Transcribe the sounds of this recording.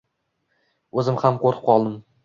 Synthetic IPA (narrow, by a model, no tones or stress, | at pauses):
ɵzɪmhamqʰoɾɨ̥p̚qɒlˠd̪ɪm